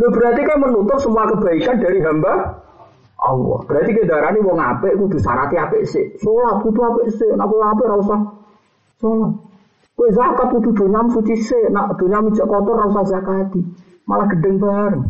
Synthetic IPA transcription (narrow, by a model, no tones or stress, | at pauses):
ndob̥əɾat̪ikajmənut̪ʊp̚səmuakəb̥a̤ikand̥aɾiɦamba | ʔɔwɔ̰b̥əɾat̪ikəndaɾaniwɔŋapeʔkud̪̥ṳsa̰ɾat̪iapeʔsɪʔsolahkut̪uapeʔseʔnaʔkuwap̬ɪʔɾausah | solah | kuezakat̪̚kut̪ud̪̥o̤ɲamsut͡ʃisenaʔd̪̥oɲami̥d͡ʒaʔkɔt̪ɔrausazakad̪̥i | malahɡ̥ə̤ɖəŋbaɾəŋ